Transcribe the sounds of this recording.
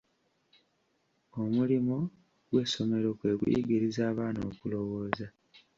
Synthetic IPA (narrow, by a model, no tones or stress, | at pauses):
o̞mulimo̞ | ɡwe̞ːso̞me̞ɾo̞kwe̞ːɡwḭɡiɾizaːβaːno̰kulo̞wo̞ːza